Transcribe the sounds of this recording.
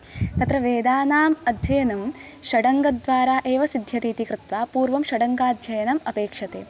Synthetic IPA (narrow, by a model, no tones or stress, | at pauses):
t̪ɐt̪ɾɐʋeːd̪aːnaːmɐd̪ʱjɐjɐnɐmʃɐɽɐŋɡɐd̪ʋaːɾaːʔeːʋɐsid̪ʱjɐt̪iːt̪ikɾɪt̪ʋaːpuːɾʋɐmʃɐɽɐŋɡaːd̪ʱjɐjɐnɐmɐpeːkʂɐt̪eː